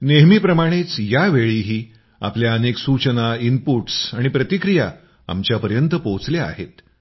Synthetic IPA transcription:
neɦmiːpɾəmaɽ̃et͡sjaʋeɭiːɦiː | a̰pljaəneksut͡ɕənaimpuʈsaɽ̃ipɾət̪ikɾija | a̰mt͡ɕjapəɾjənt̪əpot͡slea̰ɦḛt̪

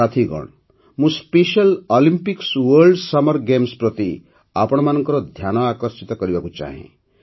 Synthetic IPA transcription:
at̪ʰiɡɔ̰ɽ̃ | mũspeʃɔlɔlimpikswəɾɖsɔmɔɾɡemspɾɔt̪i | apɔɽ̃ɔmanɔŋkɔɾɔd̪ʱjañɔakɔɾsit̪ɔkɔɾibakut͡ʃa̰ɦḛ̃

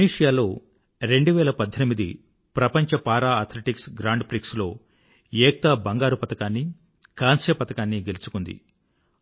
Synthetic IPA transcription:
iniːʂijaːlo̞ː | ɾe̞ɳɖuʋɛːlɐpɐd̪ʱːɐnimid̪ḭ | pɾɐpɐɲt͡ʃɐpaːɾaːɐɾt̪ʰleʈiksɡɾaːɳɖpɾikslo̞ː | jɛːk̚t̪ɐbɐŋɡaːɾupɐt̪ɐkaːnːi | kaːnsjɐpɐt̪ɐkaːnːiɡe̞lut͡ʃu̥kund̪ḭ

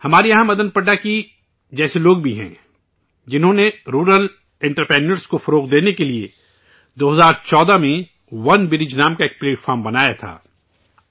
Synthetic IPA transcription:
hɐmaːɾijɐɦə̃mːɐd̪ənpɐɖaki | d͡ʒɛːseloːɡbʱiɦɛ̰̃ː | d͡ʒɪnɦõneɾuːɾəl | ɪ̃ɳʈəɾpɾɛ̃ːɳɖəɾskofɐɾoːqd̪eːnekeliḛ | d̪oːɦɐzaːɾt͡ʃɔːd̪amẽ | ʋɐnbɪɾɪd͡ʒnaːmkaeːk̚pleːʈfʰɔːɾmbɐnaːjat̪ʰa̰ː

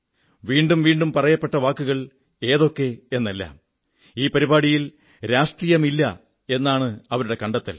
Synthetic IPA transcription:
ʋiːɳɖumʋiːɳɖumpɐrɐjɐpːe̞ʈːɐʋaːkːuɣɐɭ | e̞ːðo̞kːe̞e̞nːɐlːa̰ːm | iːpɐɾibaːɽijil | ɾaːʂʈrijɐmilːɐ | e̞nːaːɳɨɐʋɐɾuɽe̞kɐɳɖɐt̪ːḭl

